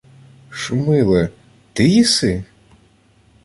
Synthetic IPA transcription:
ʃʊmɪlˠɛ | t̪ɪjisɪ

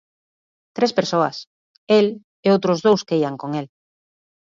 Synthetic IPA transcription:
t̪ɾespeɾsoɐ̰s | el | eowt̪ɾʊzðowskeiaŋkoŋel

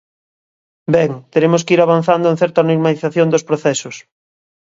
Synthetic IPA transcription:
bɛŋt̪eɾemoskiɾaβan̟θand̪oẽn̟θɛɾt̪anoɾmaliθaθjond̪ospɾoθɛsʊs

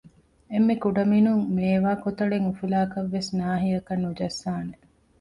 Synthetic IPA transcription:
emːekuɖɐminuŋmeːʋaːkot̪ɐɭeŋufilaːkɐʋːesnaːɦiɐkɐnːud͡ʒɐsːaːne

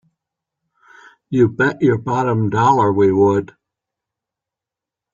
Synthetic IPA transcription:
jɨbɛt͡ʃə˞bɑɾə̃mdɔlˠə˞wiwəd̥

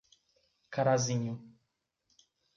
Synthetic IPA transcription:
kaɾazĩɲʊ

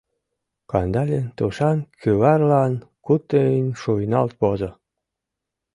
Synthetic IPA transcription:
kɑnd̪ɑlʲent̪uʃɑnkyβɑrlɑnkut̪ːeinʲʃujnɑ̰lt̪̚pozɤ̆

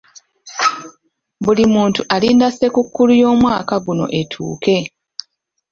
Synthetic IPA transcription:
bulimuːntuʔaliːndase̞kukːulujo̞ːmwaːkaɡuno̞̰ʔe̞tʰṵːke̞

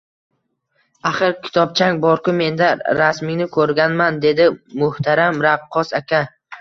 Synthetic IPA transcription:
aχɨɾkʲʰɪ̥t̪ʰɒp̚t͡ʃʰaŋbɒɾqʊme̞nd̪aɾasmɪŋnɪkʰɵɾɡʲanmand̪e̞d̪ɪmʊht̪ʰaɾamɾab̚qʰɒsakʲʰa

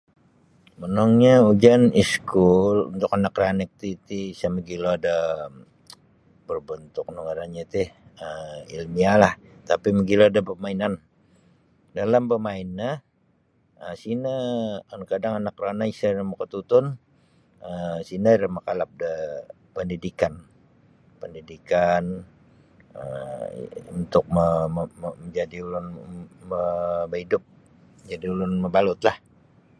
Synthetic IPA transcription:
mənɔŋɲaud͡ʒaniskulṵnt̪ʊkanakranɪk̚t̪it̪iisaməɡiloada | bərbənt̪ʊk̚nəɡaɾanɲat̪ihəḭlmialah | t̪apiməɡiloadapəmainan | dalampəmaɪnːa | əsinaːnakadaŋanakranaisaɾamakət̪ut̪ʊn | əsinaɾamakalap̚də | pəndidikan | pəndidikan | ə̰ | unt̪ʊk̚mə | məɲd͡ʒadiulʊnməbəidʊp̚ | əd͡ʒadiulʊnməbalʊt̪lah

